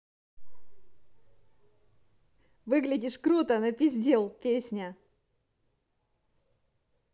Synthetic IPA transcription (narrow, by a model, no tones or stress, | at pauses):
vɨɡlʲɪdʲɪʂkɾut̪ənəpʲɪzʲdʲelˠpʲesʲnʲə